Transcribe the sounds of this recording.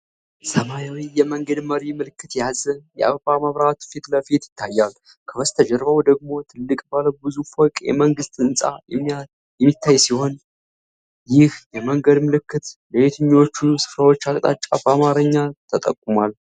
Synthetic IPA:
səmajawijɛməŋɡəd̪məɾimɨlɨkːɨt̪jazɨnjɛ̰ʔa̰βbaməβɾat̪fet̪ləfet̪jɪ̥t̪ʰːajːal | kʰəβəst̪ʰəd͡ʒɛɾbawd̪əɡ̚mo̞t̪ʰɨlːɨkʼbaləwbɨzufɔkʼjɛ̰məŋɡɨst̪ʼɨnsʼa̰jɛma | jɛmːit̪ːajsiho̞n | jɪhjɛməŋɡəd̪mɨlɨkːɨt̪ləbet̪ʰɨɲːwo̞t͡ʃːusɨ̥fɾawo̞t͡ʃːakʼt̪ʼa̰t͡ʃʼːabamaɾəɲːat̪ʰət̪ʼəkʼːumalː

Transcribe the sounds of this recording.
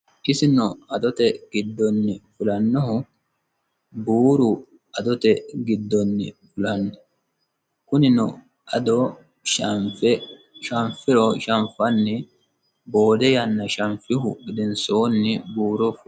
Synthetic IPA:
ʔɪsɪnɔɐd̪ɔt̪ɛɡɪd̪ːɔnːɪfʊlɐnːɔhʊ | buːɾʊ | ɐd̪ɔt̪ɛɡɪd̪ːɔnːɪ̰fʊlɐnːɔ | kʊnɪnɔ | ɐd̪ɔ | f | ʃɐɱfɪɾɔʃɐɱfɐnːɪ | bo̞ːd̪ɛjɐnːɐʃɐɱfɪɦʊɡɪd̪ɪnso̞ːnːɪbuːɾɔf

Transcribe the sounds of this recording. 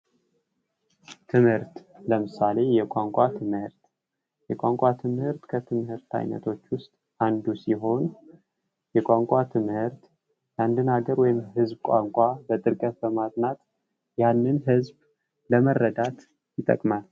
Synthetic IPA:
t̪ʰɨmhɨɾt̪ | ləmɨsale̞jɛkʷʼaŋkʷʼat̪ʰɨmhɨɾt̪ | jɛkʷʼaŋkʷʼat̪ʰɨmhɨɾt̪kʰət̪ʰɨmhɨɾt̪ʰa̰jnə̰t̪ʰo̞t͡ʃːwʊst̪ʼ | ʔand̪usiɦo̞n | jɛkʷʼaŋkʷʼat̪ʰɨmhɨɾt̪ | jand̪ɨnhaɡəɾwɔjɪmɦɨzbkʷʼaŋkʷʼabət̪ʼɨɾkʼət̪̚bəmat̪nat̪ | janːɨnɦɨzb | ləmərːəd̪at̪ | jɪt̪ʼə̰kʼmal

